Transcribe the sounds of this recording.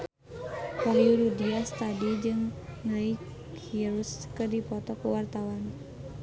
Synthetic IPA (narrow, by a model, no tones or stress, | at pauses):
kamiuɾudiast̪adid͡ʒɨŋːai | kʰiɾuskɨrdipɔt̪ɔkuwart̪awan